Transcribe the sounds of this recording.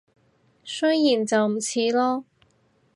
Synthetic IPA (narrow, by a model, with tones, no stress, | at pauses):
sɵ˥jjiː˨˩nt͡sɐ˨wm̩˨˩t͡sʰiː˨˧lɔː˥